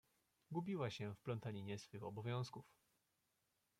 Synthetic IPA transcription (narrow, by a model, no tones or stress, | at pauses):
ɡubʲiwaɕɛfplɔnt̪alʲiɲɛsfɘxɔbɔvʲjɔ̃w̃skuf